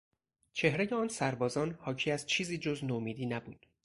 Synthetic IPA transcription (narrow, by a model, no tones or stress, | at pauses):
t͡ʃʰe̞hɾejeɒːnsæɾbɒːzɒːnhɒːcʰiːæzt͡ʃʰiːziːd͡ʒoznomiːd̪iːnæbuːd̪̥